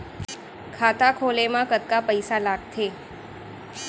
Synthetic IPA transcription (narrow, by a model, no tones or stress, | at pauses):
kʰat̪akʰolemãkət̪̚kapəjsalaɡ̚t̪ʰe